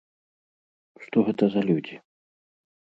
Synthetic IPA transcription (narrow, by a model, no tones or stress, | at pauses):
ʂt̪ɔɣɛt̪ɐzɐlʲud͡zʲi